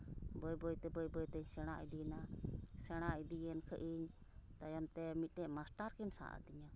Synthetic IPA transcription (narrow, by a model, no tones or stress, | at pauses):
bɔjbɔjt̪ɛbɔjbɔjt̪ɛɲsɛɽ̃aʔḭd̪inasɛɽ̃aʔid̪ijɛnkʰəʔiɲ | t̪ajamt̪ɛmiʈɛʔmasʈaɾkɛnsa̰ʔa̰d̪iɲa